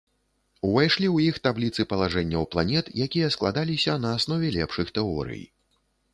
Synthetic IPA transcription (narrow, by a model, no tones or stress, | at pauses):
uvajʂlʲiwjixt̪ablʲit̪sɨpɐlˠaʐɛnʲːɐwplˠanʲɛt̪jakʲijɐsklˠa̰d̪alʲisʲɐnɐːsnɔvʲɛlʲɛpʂɨxt̪ɛɔ̰ɾɨ̰j